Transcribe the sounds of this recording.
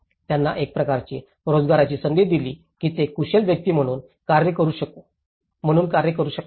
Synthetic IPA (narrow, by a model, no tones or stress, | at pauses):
t̪janːa̰ʔek̚pɾəkaɾt͡ɕi | ɾod͡zɡaɾat͡ɕiːsənd̪ed̪iliː | kiːt̪ekuɕelʋjək̚t̪iːm̤əɽ̃uːn | kaɾjəkəɾuːɕək̚o | m̤əɽ̃uːnkaɾjəkəɾuːɕək